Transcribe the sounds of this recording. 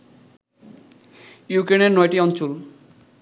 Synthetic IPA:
jukɾeneɾnɔjʈiɔnt͡ɕol

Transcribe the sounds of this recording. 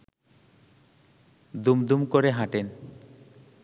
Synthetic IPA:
d̪umd̪umkoɾeɦãʈen

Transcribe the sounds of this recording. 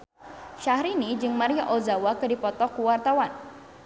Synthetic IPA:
ʃahɾinid͡ʒɨŋmaɾiaʔɔzawakɨdipɔt̪ɔkuwart̪awan

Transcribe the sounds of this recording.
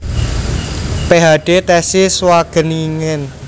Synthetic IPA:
peɦaɖ̥et̪ɛsiswaɡ̥ə̤niŋɪn

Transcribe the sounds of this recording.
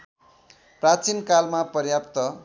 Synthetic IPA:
prat͡sinkalmapʌɾjapt̪ʌ

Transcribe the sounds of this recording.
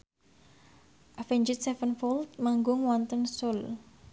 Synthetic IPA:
ʔafɛɲd͡ʒɪt̪̚sɛfənfɔlt̪̚maŋɡʊŋwɔnt̪ənsʊl

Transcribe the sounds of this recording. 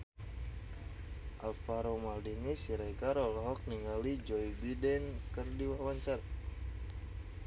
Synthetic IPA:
ʔalfaɾomaldinisiɾakaɾɔlɔɦɔk̚niŋɡalid͡ʒɔibidɛnkərdiwawaɲt͡ʃar

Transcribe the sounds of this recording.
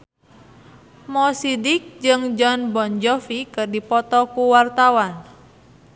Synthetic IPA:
mɔsidik̚d͡ʒɨŋd͡ʒɔnbɔnd͡ʒɔfikɨrdipɔt̪ɔkuwart̪awan

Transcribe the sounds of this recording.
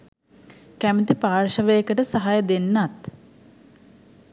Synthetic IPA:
kæmət̪ipaːrʃəʋəjəkəʈəsɐɦajəd̪enːat̪

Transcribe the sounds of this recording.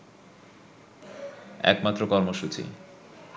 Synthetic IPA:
ɛ̰kmat̪ːɾokɔɾmoʃut͡ɕḭ

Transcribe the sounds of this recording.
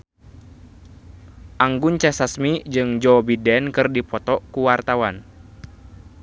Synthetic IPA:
ʔaŋɡunt͡ʃɛsasmid͡ʒɨŋd͡ʒɔbidɛnkɨrdipɔt̪ɔkuwart̪awan

